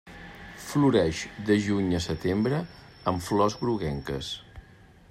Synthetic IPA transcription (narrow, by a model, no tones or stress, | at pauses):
fluɾɛʃd̪əʒuɲəsət̪embɾə | əɱflɔzɣɾuɣɛŋkə̰s